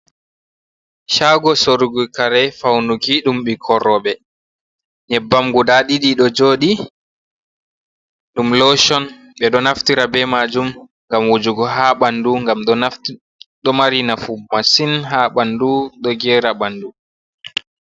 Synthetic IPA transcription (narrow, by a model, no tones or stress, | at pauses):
ʃaɡɔsoɾuɡukaɾɛfawnukiɗumɓikʰɔɾɔɓɛ | ɲɛbːamɡudaɗiɗiɗɔd͡ʒoːɗi | ɗumlɔʃɔn | ɓɛɗɔnaftiɾabɛmad͡ʒum | ŋɡamwud͡ʒuɡɔɦaɓanduŋɡamɗf | ɗɔmaɾinafumːasinɦaɓanduɗɔɡɛɾaɓandu